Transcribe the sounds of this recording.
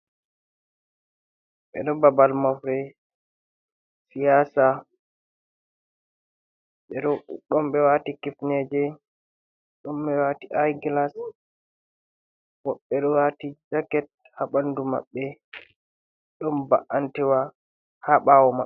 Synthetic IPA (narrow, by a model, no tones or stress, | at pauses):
ɓɛ̰ɗɔbabalmafɾɛ | sijaːsa | ɓɛɗɔɗɔmbɛwatikifnɛd͡ʒɛ | ɗɔmbɛwaːtiʔajɡilas | wɔɓːɛɗɔwatid͡ʒakɛt̚ | haɓanduma̰ɓːɛ | ɗɔmbaʔantɛwa | haɓaːwɔmaɓɛ